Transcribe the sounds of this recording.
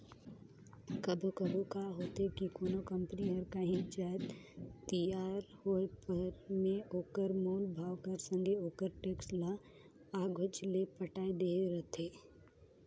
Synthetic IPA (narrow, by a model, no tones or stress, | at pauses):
kɐbʱkɐbʱukaːɦoːt̪ekikoːnokə̃mpəniɦɐɾkaɦĩd͡ʒaːt̪t̪əjaːɾhoepəɾmẽoːkəɾmoːlbʱaːʋkɐɾsə̃ŋɡʱeoːkəɾʈeːksla | aːɡʱʊt͡ʃlepəʈaːed̪eɾɐt̪eː